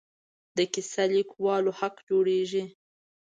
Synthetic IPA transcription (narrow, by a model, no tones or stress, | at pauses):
d̪əkɪsalikwɑlohaqd͡ʒoɽeʒi